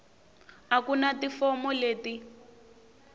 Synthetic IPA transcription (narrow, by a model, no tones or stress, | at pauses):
akunatifɔmɔleːti